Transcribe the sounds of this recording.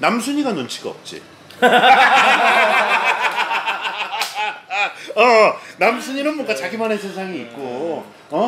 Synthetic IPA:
namsʰuɲiɡanont͡ɕʰiɡaʌ̰p̚t͡ɕ͈ḭ | ʌnamsʰuɲinɯnmwʌŋɡat͡ɕaɡimanesʰensʰaŋiːt̚k͈o | ʌ

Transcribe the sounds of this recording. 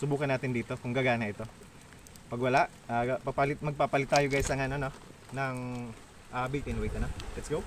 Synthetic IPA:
sʊbuːkɐnaːt̪ɪnd̪iːt̪o̞kʊŋɡɐɡaːnɐʔɪt̪o̞ | pɐɡwɐlaʔ | apɐɡ̚pɐlɪt̪̚mɐɡ̚papɐlɪt̪ːaːjoɡaːjsɐŋanono | nɐŋ | ʔaːbit̪ɪnwejt̪ɐnolɛt̪sɡow

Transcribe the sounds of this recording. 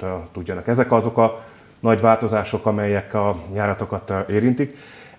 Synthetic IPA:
t̪uɟːɒnɒkɛzɛkɒzo̞kɒ | nɒɟʋaːlt̪o̞zaːʃo̞kɒmɛjːɛkɒjaːɾɒt̪o̞kɒt̪ʔeːɾint̪ik

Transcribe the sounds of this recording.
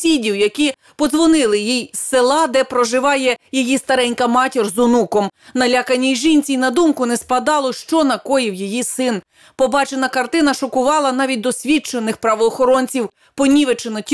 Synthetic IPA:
sʲidʲiwjɐkʲi | pɔzʋɔnɪlˠɪjijselˠɑd̪ɛpɾɔʒɪʋɑjɛjijist̪ɐɾɛnʲkɐmɑtʲirzʊnukɔmnɐlʲakɐnʲːijʒinʲt͡sʲijnɐd̪umkʊnɛspɐd̪ɑlˠɔʃt͡ʃɔnɐkɔjiwjijisɪn | pɔbɑt͡ʃenɐkɐrt̪ɪnɐʃɔkʊʋɑlˠɐnɑʋʲit̚ʲd̪ɔsʲʋʲit͡ʃenɪxpɾɐʋɔːxɔɾɔnʲt͡sʲiw | pɔnʲiʋet͡ʃenɔtʲ

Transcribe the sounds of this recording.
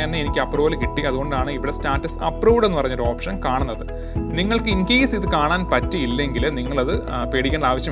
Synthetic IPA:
enːɨenikʲːɨɐpruːʋlkiʈːiɐðuɣo̞ɳɖaːɳɨiʋiɽestaːtːɐsɐ̰pːruːʋɽe̞nːɨpɐrɐɲːoɾuo̞ːpʂɐnkaːɳunːɐðɨ | niŋːɐɭkɨiŋkeːsiðɨkaːɳaːnpɐtːiilːɐŋɡilniŋːɐɭɐðɨpeːɽikʲːeːɳɖaːʋɐɕjɐm

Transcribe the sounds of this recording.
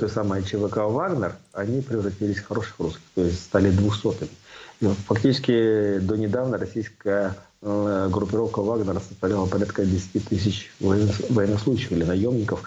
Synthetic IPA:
t̪ojsamɨjət͡ɕɪvəkavaɡnʲərɐnʲipɾʲɪvrɐtʲilʲɪsʲfxɐɾo̞ʂɨ̥xruskʲɪ̥xt̪o̞ɪsʲtʲst̪alʲɪd̪vuxso̞t̪ɨmʲɪifɐktʲit͡ɕɪ̥skʲɪd̪onʲɪd̪avnəɾɐsʲijskəjə | ɡɾʊpʲɪɾo̞fkəvaɡnəɾəsəst̪ɐvlʲalˠəpɐɾʲat̪kədʲɪsʲɪ̥tʲit̪ɨs̬ʲɪt͡ɕ | vɐjɪnɐslˠuɕːɪxɪlʲɪnɐjo̞mnʲɪkəf

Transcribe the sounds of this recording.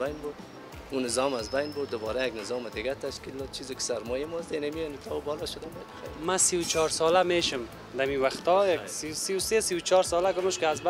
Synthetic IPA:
bajnbud̪ | unɪzɔmazbajnbʊɾd̪d̪ʊbɔːɾajaɡnɪzɔmɪd̪ɪɡat̪aʃkild̪ɔd̪̚t͡ʃʰizɪkɪ̥saɾmɔjemɔzd̪enamiɔnit̪ʰɔbɔlɔʃʊd̪abɔjad̪bɪxaɾmasiwt͡ʃʰɔɾsɔlameːʃɪm | d̪amiwaxt̪ɔjaksiwsiwsesiwt͡ʃʰɒɾsɔːlaɡʊməʃkɪazba

